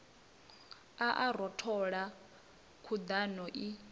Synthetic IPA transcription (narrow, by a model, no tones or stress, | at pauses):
aʔaɾɔtʰɔɺa | kʰud̪anɔʔi